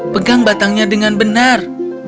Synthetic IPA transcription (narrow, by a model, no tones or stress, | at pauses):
pəɡaŋbat̪aŋɲadəŋanbənar